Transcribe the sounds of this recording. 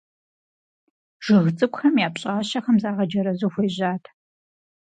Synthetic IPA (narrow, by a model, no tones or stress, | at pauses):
ʒ̥ɨɣt͡sʼɨkʷxɐmjaːpɕʼaːɕɐxɐmzaːʁɐd͡ʒɐɾɐzuxʷeːʑaːtʰ